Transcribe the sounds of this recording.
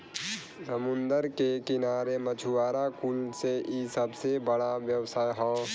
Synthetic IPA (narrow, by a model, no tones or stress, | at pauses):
səmʊ̃nd̪əɾkekɪnaːɾemət͡ʃʰuʋaːɾakʊlseisəbsebəɽaʋjɐwsaːjɦɔ̃ː